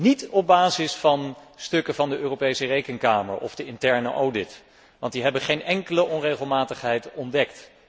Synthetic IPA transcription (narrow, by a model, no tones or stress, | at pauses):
nitɔb̚baːzɪsfɑnstɵkəvɑndəʔøːrowpejsərejkəŋkaːmə̰ɹʔɔ̰vdəɪntɛɹnə̰ʔowdɪt | ʋɑntdiɦɛbəχejnɛŋkələʔɔnrejχəlˠmaːtəχɦɛjtɔndɛk̚t